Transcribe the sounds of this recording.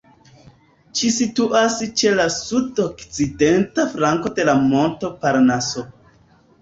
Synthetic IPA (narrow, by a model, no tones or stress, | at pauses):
t͡ʃisituʔast͡ʃe̞lasudokt͡side̞ntafɾlaŋko̞de̞lamo̞nto̞paɾnaso